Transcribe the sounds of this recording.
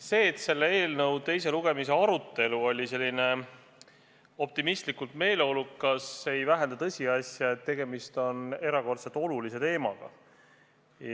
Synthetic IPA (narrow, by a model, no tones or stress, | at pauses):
se̞ːt̪se̞lːee̞ːlnɤwt̪e̞jse̞luɡ̥e̞mise̞ɑɾut̪ːˑe̞luo̞lʲise̞lʲːine̞ | o̞p̚t̪imist̪likːˑult̪me̞ːle̞o̞lukːɑsːe̞jvæɦe̞nd̪ɑt̪ɤsʲiɑsʲjɑe̞t̪ːe̞ɡ̥e̞mist̪o̞ne̞ɾɑko̞rt̪set̪ːˑo̞lulise̞t̪e̞ːmɑ̰ɡ̥ɑ̰